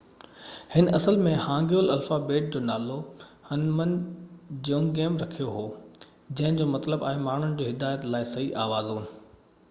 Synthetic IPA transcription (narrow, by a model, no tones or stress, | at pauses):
hɪnʔɐsəlmẽhãːŋɡjoːlɐlfabeːʈ̚d͡ʑoːnaːlohɐnmənd͡ʑõːŋɡeːmɾɐkʰijoɦoː | d͡ʑɐ̃ɦɪ̃d͡ʑoːmɐt̪ləbaːɦemaːɳ̤ʊnɪd͡ʑoːɦɪd̪aːjət̪laːɪsɐɦiʔaːʋaːzuːnɪ̆